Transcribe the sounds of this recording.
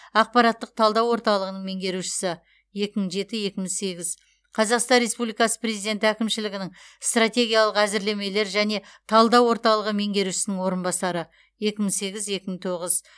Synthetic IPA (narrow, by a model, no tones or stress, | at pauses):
ɑq̚pɑɾɑt̪ːəq̚t̪ʰɑlˠd̪ɑwo̞ɾt̪ɑlˠəʁənəɴme̞ŋɡʲe̞ɾuʃɪ̥sɪ | je̞kʲɪməɴʒe̞t̪ɪje̞kʲɪmɪsse̞ɡʲɪz | qʰɑzɑqst̪ɑnɾʲe̞spublijkɑsə̥pre̞zid̪e̞nt̪ɪækʲɪmʃɪlɪɡʲɪnɪŋst̪rat̪ʲe̞ɡʲijɑlˠəqæzɪɾle̞me̞le̞ɾʒæne̞t̪ʰɑlˠd̪ɑwo̞ɾt̪ɑlˠəʁəme̞ŋɡʲe̞ɾuʃɪ̥sɪnɪŋwo̞ɾənbɑsɑɾə | je̞kʲɪmɪsse̞ɡʲɪzje̞kʲɪmɪɴt̪ʰo̞ʁəz